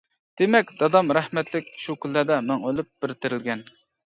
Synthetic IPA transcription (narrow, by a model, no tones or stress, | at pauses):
d̪̥emɛk̚ʲd̪ɑd̪ɑmɾæhmɛt̪lɪkʲʃukʲylːæd̪ɛmæŋølˠyp̚b̥ɪɾt̪ɪɾɪlɡʲɛn